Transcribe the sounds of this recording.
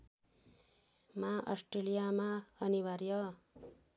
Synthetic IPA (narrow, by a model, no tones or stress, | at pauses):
maʔʌ̰sʈrelijamaʌnibaɾjʌ